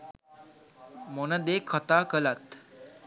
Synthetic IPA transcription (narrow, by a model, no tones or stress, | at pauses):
monəd̪ekʰːət̪akəlat̪